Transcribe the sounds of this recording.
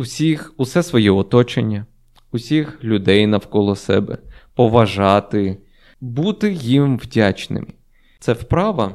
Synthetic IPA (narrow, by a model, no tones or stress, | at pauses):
ʊsʲixusɛsʋɔjɛɔt̪ɔt͡ʃḛnʲːɐ | ʊsʲixlʲʊd̪ɛjnɐwkɔlˠɔsɛ̰bɛ̰pɔʋɐʒɑt̪ɪ | but̪ɪjimʋdʲat͡ʃnɪ̰mɪ | t̪sɛwpɾɑʋɐ